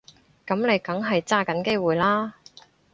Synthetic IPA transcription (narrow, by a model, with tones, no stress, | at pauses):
kɐ˨˥mne˨˧jkɐ˨˥ŋɦɐ˨jt͡saː˥kɐ˨˥nke˥jwuː˨jlaː˥